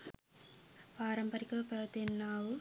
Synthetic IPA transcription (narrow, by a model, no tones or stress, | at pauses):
paːɾɐmpɐɾikɐpɐɭt̪enːaːwu